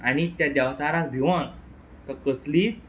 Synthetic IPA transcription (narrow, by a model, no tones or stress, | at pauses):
aɽ̃it̪jad̪jaʋt͡saɾãbʱiʋãŋ | t̪ɔkəsliːt͡s